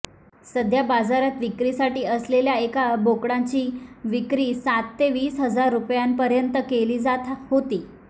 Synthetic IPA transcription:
səd̪ʱjabad͡zaɾat̪ʋikɾisaʈiːəsleljaekabokɽãt͡ɕiːʋikɾiːsat̪ːeʋiːsɦəd͡zaɾːupjanpəɾjənt̪əkeliːd͡zat̪hot̪iː

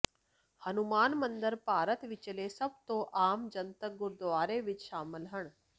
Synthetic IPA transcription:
hɐnumaːnmɐnd̪əɾpaːɾət̪ʋɪt͡ʃleːsɐb̚t̪oːʔaːmd͡ʒɐnt̪əɡʊɾd̪ʋaːɾeːʋɪt͡ʃʃaːməlɦəɳ

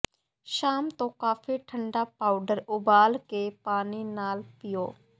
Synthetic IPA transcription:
ʃaːmt̪õːkaːfʰiːʈʰəɳɖaːpaːʊɖəɾʊbaːlkeːpaːniːnaːlpɪjoː

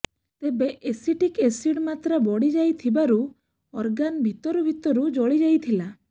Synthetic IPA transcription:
t̪ebeʔesiʈikesiɽmat̪ɾabɔɽid͡ʒajt̪ʰibaɾu | ɔɾɡanbʱit̪ɔɾubʱit̪ɔɾud͡ʒɔɭid͡ʒajt̪ʰila

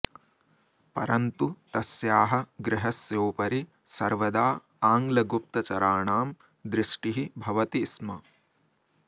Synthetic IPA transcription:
pɐ̰ɾɐnt̪ut̪ɐsjaːɦɐɡɾɪɦɐsjoːpɐɾi | sɐɾʋɐd̪aː | aːŋɡlɐɡup̚t̪ɐt͡ʃɐɾaːɳaːm | d̪ɾɪʂʈiɦibʱɐʋɐt̪ismɐ

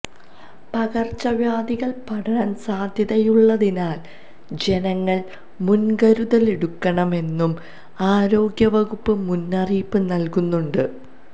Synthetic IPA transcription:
pɐɣɐrt͡ɕːɐʋjaːd̪iɣɐɭpɐɽʰɐɾɐnsaːd̪ʱjɐðɐjuɭːɐðinaːl | d͡ʑe̞nɐŋːɐɭ | munɡɐɾuðɐleɽukːɐɳɐme̞nːum | aːɾo̞ːɡjɐʋɐɣupːɨmunːɐriːpːɨnɐlkunːuɳɖɨ

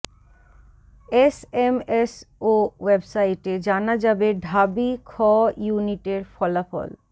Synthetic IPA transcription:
esemesowebsaiʈed͡ʑanad͡ʑabeɖʱabikʰɔjuniʈeɾfɔlafɔ̰l

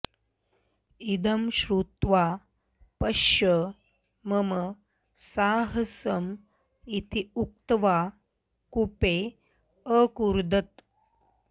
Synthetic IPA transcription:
id̪əmɕɾut̪ʋa | pəɕə | məmə | saɦəsəm | it̪ʰiuk̚t̪ʋa | kupe | əkuɾd̪ət̪̚

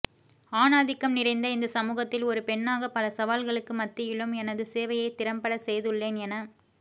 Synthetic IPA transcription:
aːnaːðɪkːɐmnɪrɐɪnd̪ɐɪnd̪ɐsɐmuːɣɐt̪ːɪlɔɾɯpɛɳːaːɣɐpɐlɐsɐʋaːlɣɐɭɯkːɯmɐt̪ːɪjɪɭɯmɛnɐðɯseːʋɐjɐɪt̪ɪɾɐmpɐɽɐsɛjðɯɭːeːnɛnɐ

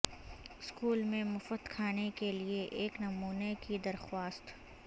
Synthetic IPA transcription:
ɪskuːlmẽmʊfəd̪kʰaːnekelieʔeːknɐmuːnekid̪ɐɾxwaːst̪

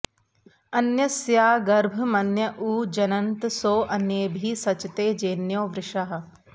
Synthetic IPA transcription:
ɐnjɐsjaːɡɐɾbʱɐmɐnjɐʔuːd͡ʒɐnɐnt̪soːʔɐnjeːbʱiːsɐt͡ʃt̪eːd͡ʒeːnjoːʋɾɪʃɐɦɐ̆

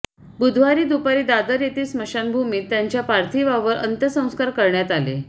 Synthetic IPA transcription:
bud̪ʱʋaɾiːd̪upaɾiːd̪ad̪əɾjet̪ʰiːsməɕanbʱumiːt̪ːjaɲt͡ɕjapaɾt̪ʰiʋaʋəɾʔə̰nt̪əsə̃w̃skaɾkəɾɳjat̪alḛ

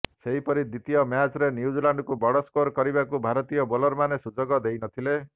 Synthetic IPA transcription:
seɦipɔɾid̪it̪ijɔmjat͡ʃɾenjud͡ʒilaɳɖɔkubɔɽɔskoɾkɔɾibakubʱaɾɔt̪ijɔbɔlɔɾmanesud͡ʒɔɡɔd̪ejnɔt̪ʰile

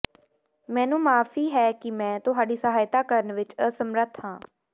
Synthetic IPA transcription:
mɛ̃ːnũːmaːfʰiːɦɛːkɪmɛ̃ːt̪ʊɦaːɖiːsəɦaːjt̪aːkəɾənʋɪt͡ʃəsəmɾət̪ʰhãː

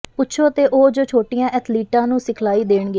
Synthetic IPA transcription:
pʊtːʃʰoːət̪eːʔoːd͡ʒoːt͡ʃʰoːʈijãːʔɛːt̪ʰliːʈãːnũːsɪkʰlaːiːd̪eːɳɡe

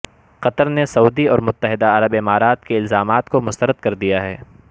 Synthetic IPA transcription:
qɐt̪əɾnesɐuːd̪iɔːɾmʊt̪ːəɦɪd̪aɐɾəbɪmaːɾaːt̪keɪlzaːmaːt̪komʊst̪əɾəd̪̚kɐɾd̪ijaɦɛː

